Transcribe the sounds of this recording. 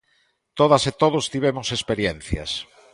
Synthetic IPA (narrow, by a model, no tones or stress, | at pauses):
t̪oðaset̪oðʊst̪iβ̞emʊsespeɾjen̟θja̰s